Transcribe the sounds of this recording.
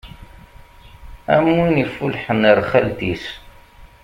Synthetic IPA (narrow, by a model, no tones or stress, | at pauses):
æ̰mwinifulħənəɾˤχælt̪is